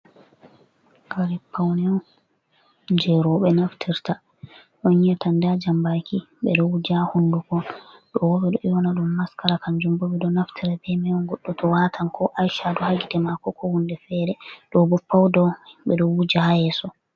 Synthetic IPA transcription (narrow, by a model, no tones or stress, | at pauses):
kaɾipʰːawnɛɔ | d͡ʒɛɾɔɓɛnaftʰiɾta | ɗɔɲɛtandad͡ʒambaki | ɓɛɗɔwud͡ʒahundukɔɗɔwɔɓɛɗɔʔɛwɔnaɗumːaskaɾakand͡ʒumbɔɓɛɗɔnaftʰiɾabɛmɛɔnɡɔɗːɔtɔwatʰaŋkʰɔʔajʃadɔhaɡidɛmakɔkʰɔhundɛfɛɾɛɗɔbɔpːawdɔɓɛɗɔwud͡ʒahajɛsɔ